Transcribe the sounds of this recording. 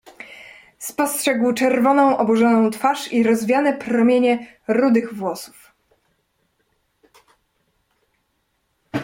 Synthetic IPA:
spɔstʂɛɡwt͡ʂɛɾvɔnɔ̃w̃ʔɔbuʐɔnɔ̃w̃t̪faʂiɾɔzvʲjanɛpɾɔmʲjeɲɛ | ɾud̪ɘɣvwɔsu̥f

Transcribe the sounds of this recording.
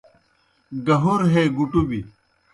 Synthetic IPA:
ɡɐɦuɾɦeɡuʈubi

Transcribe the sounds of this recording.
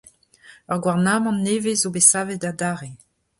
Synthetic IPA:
œʁɡwaʁnaːmɑ̃nːeːvezobesaːvetadaːʁe

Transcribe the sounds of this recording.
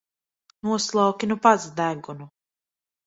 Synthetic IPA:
nuɔslˠawkʲinupazd̪æɡunu

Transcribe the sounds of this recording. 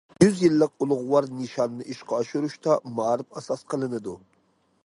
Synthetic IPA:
jyzjilːəq̚ulˠʊʁʊwɑɾnɨʃɑnːɨʔiʃqɑːʃuɾuʃt̪ɑmɑɾɪfɛsɑsqʰəlˠɨnɨd̪u

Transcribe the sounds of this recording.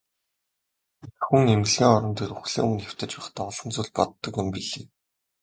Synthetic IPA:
xuŋem̆ɮɣʲiːŋɔɾɞ̆nt̪ʰeɾuxɮḭːŋunxʲew̥t̪ɘ̆t͡ɕpæχt̪ʰaːɔɮɞ̆nt͡suːɮpɔ̰t̪ːɞ̆kjʊmpiɮeː

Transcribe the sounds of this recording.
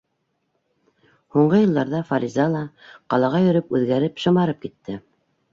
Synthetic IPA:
huɴɢɤjɤ̆lˠd̪ɑɾðɑfaɾʲizɑlˠɑqɑlˠɑʁɑjɵ̆ɾɘpʉðɡæɾɘpʃɤ̆mɑɾɤp̚kit̪ːɘ

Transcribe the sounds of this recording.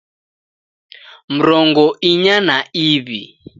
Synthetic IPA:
m̩ɾɔŋɡɔʔiɲanaiβi

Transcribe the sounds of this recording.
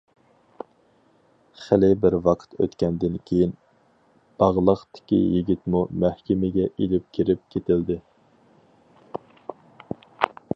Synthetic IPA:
χælɪbɪɾwɑqʰt̪ʰø̰t̪kʲɛnd̪ɪnkʲʰejin | b̥ɑʁlˠəχt̪ʰɪ̥kʲḭjiɡʲit̪mumæhkʲɪmɪɡʲɛʔilɪp̚kʲʰiɾɪp̚kʲʰet̪ɪld̪ɪ

